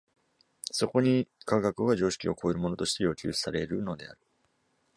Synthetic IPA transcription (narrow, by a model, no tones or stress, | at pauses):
so̞ko̞ɲ̟ikaɡakɯ̟ɡaʑo̞ːɕi̥kʲio̞ko̞ːeɾɯ̟mo̞no̞t̪o̞ɕit̪e̞jo̞ːkʲɨ̰ːsaɾe̞ɾɯ̟no̞d̪e̞̰a̰ɾɯ̟